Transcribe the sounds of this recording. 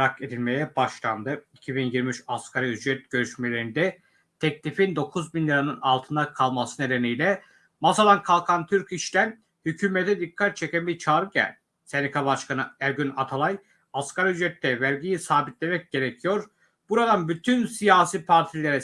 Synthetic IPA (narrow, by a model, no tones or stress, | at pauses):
ɾake̞d̪ilʲme̞jɛbaʃlˠand̪ɯicʰibinjiɾmiʃaskʰaɾayd͡ʒɾɛt̪̚ɟ̥ø̞ɾyʃmelʲe̞ɾind̪ɛ | t̪ʰɛclʲifind̪o̞kʰuzbinlʲiɾanɯnalˠt̪ʰɯnd̪akʰalˠmasɯne̞d̪e̞nijlʲɛ | masalˠankʰalˠkʰant̪ʰyɾciʃt̪æn | hycʰyːmet̪ʰɛd̪ikʰːat̪̚t͡ʃʰecænbiɾt͡ʃʰaːɾɯɟæ̰lʲ | senikʰaβaʃkʰanɯæɾɟynat̪ʰalˠaj | askʰaɾayd͡ʒɾɛt̪ʰːɛvæɾɟijisaːbit̪lʲe̞mɛc̚ɟe̞ɾecʰijo̞ɾ | b̥uɾad̪anbyt̪ʰynsijaːsiːpʰaɾt̪ʰilʲe̞ɾɛ